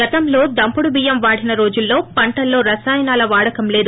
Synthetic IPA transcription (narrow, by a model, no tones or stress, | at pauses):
ɡɐt̪ɐmlo̞ːd̪ɐmpuɽubijɐmʋaːɽinɐɾo̞ːd͡ʒulːo̞ːpɐɳʈɐlːo̞ːɾɐsaːjnaːlɐʋaːɽɐkɐmle̞ːd̪u